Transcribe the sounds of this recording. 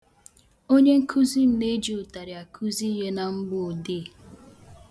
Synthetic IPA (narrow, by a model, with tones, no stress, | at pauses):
o˦ɲe˦ŋ̩˦kʰu˦zi˦m̩˦ne˦d͡ʒi˨ʊ˨ta˨ɾɪ˨a˨kʰu˦zi˦ɦe˦na˨m̩˦ɡ͡bʊ˦˨de˦˨